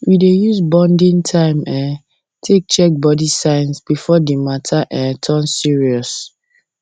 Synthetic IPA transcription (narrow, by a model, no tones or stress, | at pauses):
widejuzbɔ̃ndĩntʰãɪ̃mɛ̃ | tʰek̚t͡ʃɛk̚bɔdisãɪnsb̥ifɔdimatʰaʔɛ̃tʰɔ̃nsiɹiɔs